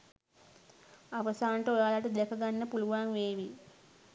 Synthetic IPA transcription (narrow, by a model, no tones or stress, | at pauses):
aʋəsaːnʈəojaːlaʈəd̪ɛkəɡanːəpuluʋaŋʋeːʋi